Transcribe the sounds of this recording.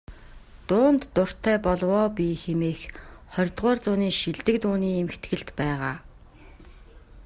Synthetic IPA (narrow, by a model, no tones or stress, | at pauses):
t̪ʊːnt̪ːʊr̥t̪ʰæːpɔɮwɔːpiːxemeːxχɔɾʲt̪ʁʊːrt͡sʊːniːʃiɮt̪ɘ̆k̚t̪uːniːemɘ̆xt̪ɡɘ̆ɮt̪pæːʁaː